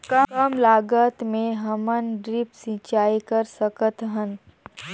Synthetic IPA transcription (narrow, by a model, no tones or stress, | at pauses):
kəkəmlaːɡət̪mẽɦɐmənɖɾɪpsit͡ʃaːikəɾsəkət̪ɦən